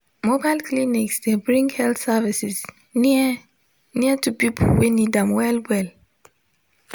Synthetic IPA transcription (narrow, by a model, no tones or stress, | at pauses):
mobalkliniksdebɹĩŋɡhɛltsavisis | ni | niətupipʰo̰wenidãmwɛlwɛl